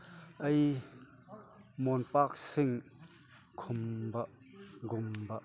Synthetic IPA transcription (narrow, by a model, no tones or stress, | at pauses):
ʔɐj | mɔnpak̚sɪŋ | kʰʊmbɐʔ | ɡʊmbaʔ